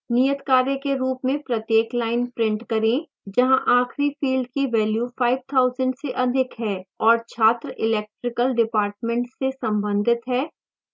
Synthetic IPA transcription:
nijət̪kaːɾjekeɾuːpmẽpɾɐt̪jeːklaːɪnpɾɪ̃ɳʈkɐɾẽ | d͡ʒɐɦãʔaːxʰɾifiːlɖkiʋɛːljufaːɪʋt̪ʰaːʊzəɳɖseʔɐd̪ʱɪkɦɛːɔːɾt͡ʃʰaːt̪ɾəʔɪlɛːk̚ʈɾɪkəlɖɪpaːɾʈmẽɳʈsesɐ̃mbə̃nd̪ʱɪt̪ɦɛː

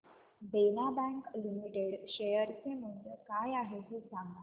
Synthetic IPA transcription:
benabæ̃ŋklimiʈeɽɕejəɾt͡semund̪əkajaɦeɦesaŋɡa

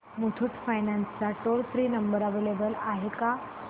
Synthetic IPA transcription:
muʈʰuʈfajnãnst͡saʈoɽfɾiːnəmbəɾəʋelebəlaɦeka

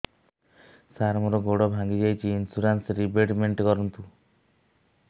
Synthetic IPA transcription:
saɾmɔɾɔɡoɽɔbʱaŋɡid͡ʒajt͡ʃʰiːnsuɾansɾibeʈmeɳʈkɔɾɔnt̪u

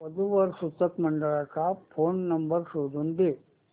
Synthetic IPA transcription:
ɐd̪uʋɐɾsut̪ːɐkmɐɳɖɐɭɐkaːpʰoːnːɐmbɐɾsud̪und̪e

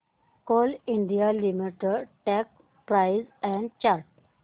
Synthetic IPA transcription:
koliɳɖijalimiʈəʈɛk | pɾajzɛ̃ɳɖt͡ɕaɾʈ

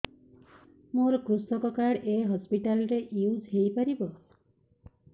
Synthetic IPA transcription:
moɾkusɔkɔkaɽeɦɔspiʈalɔɾeʔiwzɦejpaɾibɔ

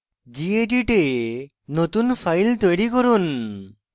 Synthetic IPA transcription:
d͡ʒieʈiʈe | not̪unpʰajlt̪ojɾikɔɾun

